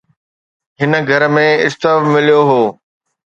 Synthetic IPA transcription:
ɦɪn̆ɡʱɐɾmẽɪst̪əfmɪlijoɦoː

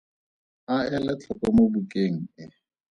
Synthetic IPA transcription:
aɛlɛt͡ɬʰɔkʼɔmobukʼeŋ̩ɪ

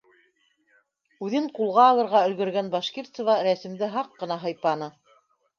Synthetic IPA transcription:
ʉðɘɴqulˠʁɑːlˠɤ̆ɾʁɑɵ̆lɡɵ̆ɾɡænbɑʃkʲiɾt̪sɤ̆vɑɾæsɘ̆md̪ɘɦɑqːɤ̆nɑɦɤ̆jpɑnɤ

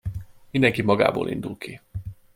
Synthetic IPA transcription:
mind̪ɛŋkimɒɡa̰ːbo̰ːlʔḭnd̪ulki

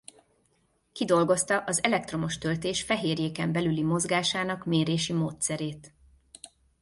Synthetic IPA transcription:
kid̪o̞lɡo̞st̪ɒʔɒzɛlɛk̚t̪ro̞mo̞ʃt̪ølt̪eːʃfɛɦeːrjeːkɛmbɛlylimo̞zɡaːʃaːnɒkmeːɾeːʃimoːt̪sɛɾeːt̪

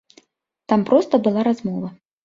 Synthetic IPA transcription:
t̪ampɾɔst̪ɐbɨlˠaɾazmɔvɐ

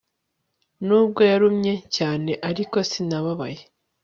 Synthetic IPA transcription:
nuːb̚ɡo̞jaɾumɲe̞caːne̞ʔaɾiko̞sinaβaβaje

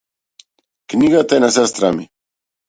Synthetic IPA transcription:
kniɡat̪aɛnas̬ɛst̪ɾami

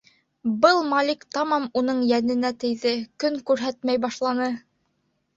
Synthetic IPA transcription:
bɤlˠmɑlʲikt̪ɑmɑmunɤɴjænɘ̆næt̪ɘ̆jðɘkɵŋkʉɾɦæt̪mæjbɑʃlˠɑnɤ

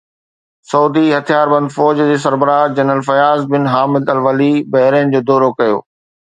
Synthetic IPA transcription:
sɐud̪iɦɐt̪ʰijaːɾbɐ̃nd̪fɔːd͡ʑd͡ʑeːs̬ɐɾbəɾad͡ʑɐnɾəlfɐjaːzbɪnɦaːmɪd̪ɐlʋɐlibɐɦɪɾẽːnd͡ʑoːd̪ɔːɾokɐjo̰ː

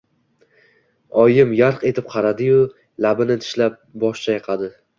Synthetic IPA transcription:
ɒjɪmjaɾqe̞t̪ʰɪp̚qʰɑɾad̪ɪjʊ | labɪnɪt̪ʰɪ̥ʃlap̚bɒʃt͡ʃʰajɨqʰɑd̪ɪ

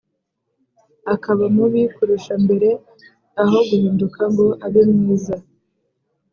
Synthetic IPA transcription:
akaβamuβikuɾuʃambe̞ɾe̞ | aɦo̞ɡuɦiːndukʰaŋɡo̞ʔaɾjomŋiːza

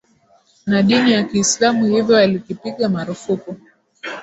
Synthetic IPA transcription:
naɗinijakiːslamuhivjɔalikipiɠamaɾufuku

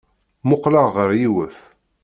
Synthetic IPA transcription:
mʊqlaʁʁəɾjiwəf

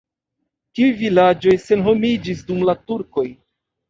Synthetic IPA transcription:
tiujvilad͡ʒo̞jse̞nɦo̞mid͡ʒisdumlatuɾko̞j

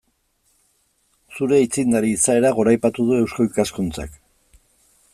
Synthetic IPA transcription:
suɾe̞it͡sind̪aɾiːsae̞ɾaɣo̞ɾajpat̪uð̞ue̞wskoikaskunt͡sa̰k

